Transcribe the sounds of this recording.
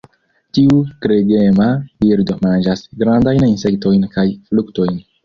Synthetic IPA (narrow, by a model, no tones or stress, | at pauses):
tiutɾeɡemaviɾdomand͡ʒasɡɾandajninse̞kto̞jnkajflukto̞jn